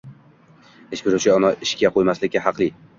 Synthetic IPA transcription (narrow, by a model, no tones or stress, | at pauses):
eʃbɪɾut͡ʃʰɪɒmɒʔɪʃkʲaqʰojmaslɪkʲːaɦɑqlˠɪ